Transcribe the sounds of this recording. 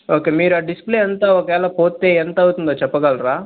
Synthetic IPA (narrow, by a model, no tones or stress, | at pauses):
o̞ːke̞ːmiːɾuaːɖispleːɐnt̪aːɔkɐʋɛːlɐpoːt̪ːe̞ːent̪ɐɐwut̪und̪oːt͡ʃɛpːɐɡɐlɾaː